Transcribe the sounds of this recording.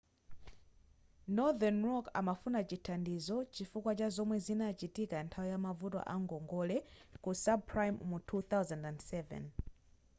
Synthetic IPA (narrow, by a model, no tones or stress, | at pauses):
nɔðanɹɔka̰mafunat͡ʃitʰandizɔt͡ʃifukwat͡ʃazɔmwɛzinat͡ʃitikantʰawijamavutwa̰ʔaŋɡɔŋɡɔlɛkusab̚pʰɹajmmutʰuθawzandandsɛvɛ̰n